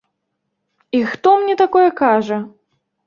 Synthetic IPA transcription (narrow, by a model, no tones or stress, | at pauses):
ixt̪ɔmnʲɛt̪akɔjɛkaʐɐ